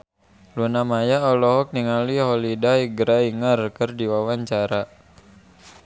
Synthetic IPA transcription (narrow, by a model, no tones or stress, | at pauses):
lunamajaɔlɔɦɔk̚niŋaliɦɔlidaiɡɾaiŋərkɨrdiwawaɲt͡ʃaɾa